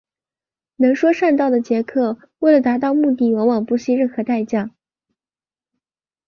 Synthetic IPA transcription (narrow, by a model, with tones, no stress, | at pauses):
nɤ˧˥ŋʂwɔ˥ʂa˥˧nt̪̬ɑ˥˩ʊd̪ə˩t͡ɕjɛ˧˥kʰɤ˥˩ | we˥˩ɪlə˩t̪a˧˥t̪ɑ˥˧ʊmu˥˧t̪̬i˥˩wɑ˧˥ŋwɑ˨˩ŋpu˥˩ɕi˥ɻə˥˩nxɤ˧˥t̪a˥˧ɪt͡ɕja˥˩